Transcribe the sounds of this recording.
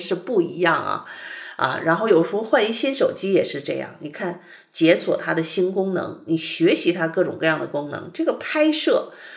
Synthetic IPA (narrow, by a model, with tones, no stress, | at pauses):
ʂɻ̩˥˧pu˥˩ḭ˧˥jɑ˥˩ŋɐ̰˩ɐ̰˧ɻa˧˥nxo˥˩ʊjo˨˩ʊʂɻ̩˧˥xo˧˥xwa˥˩ni˥ɕi˥nʂo˨˩ʊt͡ɕi˥jɛ˨˩ʂɻ̩˥˧ʈ͡ʂɤ˥˧jɑ̰˥˩ŋni˨˩kʰa˥˩n | t͡ɕjɛ˧˥swɔ˨˩t̪ʰa˥d̪ə˨ɕi˥nkʊ˥ŋnɤ̰˧˥ŋni˨˩ɕɥɛ˧˥ɕi˧˥t̪ʰa˥kɤ˥˩ʈ͡ʂʊ˨˩ŋkɤ˥˧jɑ˥˩ŋd̪ə˩kʊ˥ŋnɤ̰˧˥ŋʈ͡ʂɤ˥˩ɡə˩pʰa˥ɪʂɤ˥˩